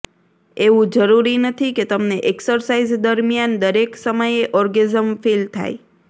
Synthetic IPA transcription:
eʋũd͡ʒəɾuɾinət̪ʰiket̪əmneʔeksəɾsaizd̪əɾmjand̪əɾeksəməjeʔɔɾɡezəmfilt̪ʰa̰j

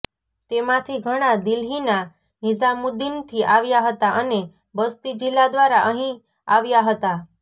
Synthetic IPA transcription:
t̪emãt̪ʰiɡʱəɽ̃ad̪ilɦina | ɦizamud̪int̪ʰiʔaʋjaɦət̪aʔəne | bəst̪id͡ʒilːad̪ʋaɾaʔəɦĩ | aʋjaɦət̪a

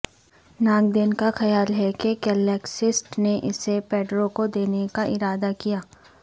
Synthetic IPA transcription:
nãːŋɡd̪enkaxɐjaːlɦɛkeɡɛlɛːksɪsʈneʔɪsepɛːɖɾokod̪eːnekaʔɪɾaːd̪akijaː

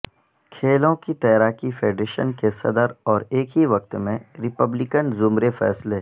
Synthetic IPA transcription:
kʰeːlõkit̪ɐːɾaːkifeːɖɾeːʃə̰nkesɐd̪əɾɔːɾeːkɦiʋɐk̚t̪mẽɾɪpəblɪkənzʊmɾefɛ̰ːsle

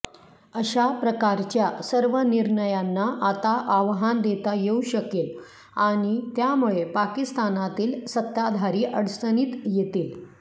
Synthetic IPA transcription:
əɕapɾəkaɾt͡ɕjasəɾʋəniɾɳəjanːaʔat̪aʔaʋɦand̪et̪ajeuɕəkel | aɽ̃it̪jamuɭepakist̪anat̪iːlsət̪ːad̪ʱaɾiːʔəɽsəñiːt̪jet̪iːl

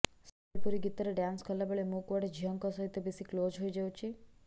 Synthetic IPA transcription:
səɾpuɾiɡit̪əɾeɖãnskəlːabeɭemokʋaɽed͡ʒʱiəŋkɔsəɦit̪ːebisiklod͡ʒɦojd͡ʒewt͡ʃʰi

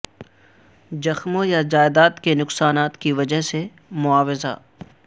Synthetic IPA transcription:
d͡ʒɐxmõjad͡ʒaːɪd̪aːt̪kenʊqsaːnaːt̪kiʋɐd͡ʒəɦse | mʊaːʋɪza̰

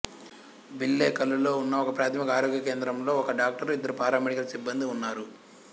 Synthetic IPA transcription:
bilːeːkɐlːulo̞ːunːɐɔkɐpɾaːt̪ʰɐmikɐaːɾoːɡjɐke̞ːnd̪ɾɐmlo̞ːɔkɐɖaːk̚ʈɐɾid̪ːɐɾupaːɾaːmeɽikɐlɐsibːɐnd̪iunːaːɾu

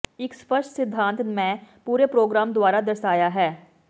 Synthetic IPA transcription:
ɪkspəɾʃʈsɪd̪ʱːãːnt̪mɛ̃puːɾepɾoːɡɾaːmd̪ʊaːɾad̪ɐɾʃaːjaɦɛː

